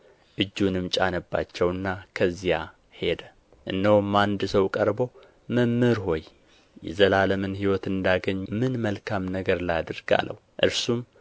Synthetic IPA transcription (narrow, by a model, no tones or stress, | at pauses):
ʔɨd͡ʒːunɨmt͡ʃʼa̰nəbːa̰t͡ʃːɛwɨnːakʰəzːija | he̞d̪ə | ʔɨ̰nːəwmːand̪səwkʼəɾbo | məmːɨɾɦo̞j | jɛ̰zəlaləmɨnɦiwɔt̪ɨnd̪aɡəɲːmɨnməlkʰamnəɡəɾləjad̪ɨɾɡa̰lːə̰w | ʔɨɾsum